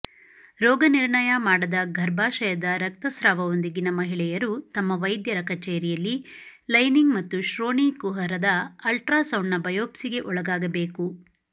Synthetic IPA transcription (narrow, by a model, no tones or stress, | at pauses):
ɾɔːɡɐniɾɳɐjɐmaːɽɐd̪ɐɡʱɐɾbaːʃɐjɐd̪ɐɾɐk̚t̪ɐsɾaːʋɐʋond̪iɡinɐmɐɦiɭɛjɐɾut̪ɐmːɐʋɐjd̪jɐɾɐkɐt͡ʃeːɾijɐlːi | lɐjniŋɡmɐt̪ːuʃɾoːniːkuɦɐɾɐd̪ɐɐlʈɾaːsɐwɳːɐbɐjoːpsiɡe̞ʔɔɭɐɡaːɡɐbe̞ːku